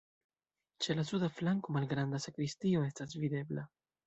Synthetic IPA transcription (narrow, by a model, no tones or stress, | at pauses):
t͡ʃe̞lasudaflaŋko̞malɡɾand̪asakɾistio̞e̞stasvid̪e̞bla